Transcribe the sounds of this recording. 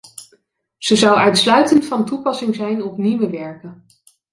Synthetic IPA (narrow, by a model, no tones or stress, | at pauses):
z̥əzɑwœɥtslœɥtəntfɑntupɑsɪŋzɛjnɔpniʋəʋɛɹkə